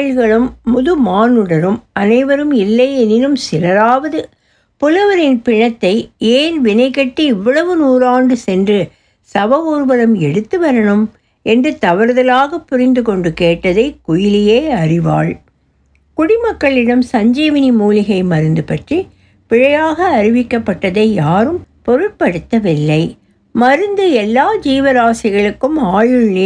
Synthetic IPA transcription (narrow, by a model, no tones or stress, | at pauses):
ɻɣɐɭɯmːʊðɯmaːnɯɽɐɾɯmɐnɐɪʋɐɾɯmɪlːɐɪɛnɪɾɯmsɪlɐɾaːʋɐðɯ | pɔlɯʋɐɾɪnpɪɳːɐt̪ːɐɪeːlʋɪnɐɪkɐʈːiɪʋːɐɭɐʋɯnuːɾaːɳɖɯsɛndrɯ | sɐʋɐuːɾʋɐlɐmɛɽɯt̪ːɯʋɐɾɐɳɯm | ɛndrɯt̪ɐʋɐɾðɐlaːɣɐpːʊɾɪnd̪ɯkɔɳɖɯkeːʈːɐðɐɪkʊjɪlɪjeːɐrɪʋa̰ːɭ | kʊɽɪmɐkːɐɭɪɽɐmsɐɲd͡ʒiːʋɐnimuːlɪɣɐɪmɐɾɯnd̪ɯpɐʈri | pɪɻɐjaːɣɐːɾɪʋɪkːɐpːɐʈːɐðɐɪjaːɾɯmpɔɾɯʈ̚pɐɽɯt̪ːɐʋɪlːɐɪ | mɐɾɯnd̪ɯɛlːaːd͡ʒiːʋɐɾaːsɪɣɐɭɯkːɯmaːɻɯɭni